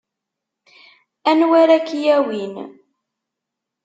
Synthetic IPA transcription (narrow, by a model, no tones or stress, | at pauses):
ænwæɾækjæwin